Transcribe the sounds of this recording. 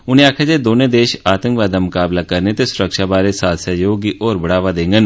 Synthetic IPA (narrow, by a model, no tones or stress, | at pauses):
ʊnẽaːkʰad͡ʒed̪oːnẽːd̪eːʃaːt̪ə̃ŋkʋaːd̪amʊkaːblakəɾnet̪esʊɾəkʃaːbaːɾesaːt̪sjajoːɡiʔɔːɾbəɽaːʋad̪ẽːŋɡən